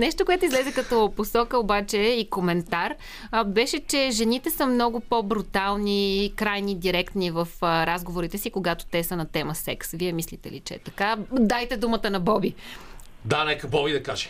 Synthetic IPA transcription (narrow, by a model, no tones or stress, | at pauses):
nɛʃt̪okoɛt̪oizlɛzɛkɐt̪ɔposɔkəobat͡ʃɛikomɛnt̪aɾ | bɛʃɛt͡ʃɛʒɛnit̪ɛsəmnɔɡʊpobɾut̪alˠnikɾajnid̪iɾɛkt̪nivəfɾazɡovoɾit̪ɛsikoɡat̪o̥t̪ɛsənɐt̪ɛməsɛksviɛmislit̪ɛ̰lḭt͡ʃɛɛt̪ɐkad̪ajt̪ɛd̪umət̪ənɐbɔbi | d̪anɛkəbɔbid̪ɐkaʒɛ̥